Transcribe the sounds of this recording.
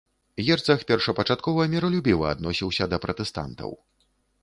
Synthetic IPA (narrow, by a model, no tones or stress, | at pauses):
jʲɛrt̪sɐxpʲɛrʂɐpɐt͡ʂat̪̚kɔvɐmʲɛɾɐlʲubʲivɐ̰a̰d̪nɔsʲiwsʲɐd̪ɐpɾɐt̪ɛst̪a̰nt̪ɐ̰w